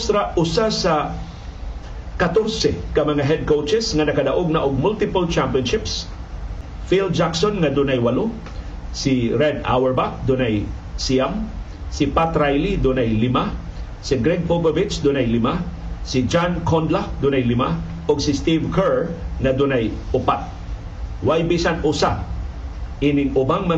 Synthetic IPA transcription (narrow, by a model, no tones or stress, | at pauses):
st̪ɾaʔʊsasɐ | kɐt̪oɾsɛkɐmɐŋaɦɛd̪̚kowt͡ʃɛsŋɐnɐkɐd̪aʔoɡ̚nɐaʔoɡ̚mʊlt̪ɪpʊlt͡ʃampiɔnʃɪps | fild͡ʒaksonŋɐd̪ʊnajwɐlo | siɾɛd̪a̰wɛɹbak̚d̪ʊnaj | siam | sɪpat̪ɾajlid̪ʊnajlɪma | sɪɡɾɛɡ̚boɡovɪt͡ʃd̪ʊnajlɪma | sid͡ʒankʰond̪lad̪ʊnajlɪma | oɡsɪst̪ivkʰɛɹŋɐd̪ʊnajʊpat̪̚ | wajbisanʊsa | ʔinɪŋʊbaŋmɐ